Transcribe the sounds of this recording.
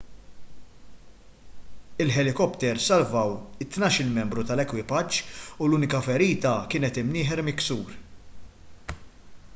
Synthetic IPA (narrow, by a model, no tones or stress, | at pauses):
ɪlħɛlɪkɔpt̪ɛɾsɐlvɐwɪt̪ːnɐːʃɪlmɛmbɾut̪ɐlɛkwɪpɐt͡ʃːuluːnɪkɐfɛɾiːt̪ɐkɪːnɛt̪ɪmnɪːħɛɾmɪksuːɾ